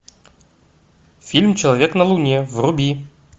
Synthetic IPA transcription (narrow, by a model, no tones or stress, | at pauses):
fʲilʲmt͡ɕelˠavʲeknəlˠunʲevrubʲi